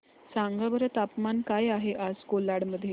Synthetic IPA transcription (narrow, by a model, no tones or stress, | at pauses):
saŋɡabəɾət̪apmankajaɦeʔaskolaɽməd̪ʱːje